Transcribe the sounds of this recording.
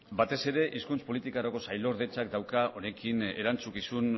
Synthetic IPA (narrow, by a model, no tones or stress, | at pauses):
bat̪e̞se̞ɾe̞ʔiskunt͡spo̞lit̪ikaɾako̞sajlo̞ɾðe̞t͡sakd̪awkao̞ne̞kine̞ɾant͡sukisun